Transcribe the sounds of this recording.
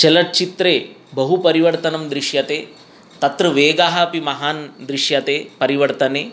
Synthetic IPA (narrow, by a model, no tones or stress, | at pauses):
t͡ʃɛlɐʈ̚t͡ʃit̪ɾeː | bɐɦupɐɾiʋɐɾt̪ɐnɐmd̪ɾiʃjɐt̪eː | t̪ɐt̪ɾɐʋeːɡaːɦɐpimɐɦaːnd̪ɾiʂjɐt̪eːpɐɾiʋɐɾt̪ɐneː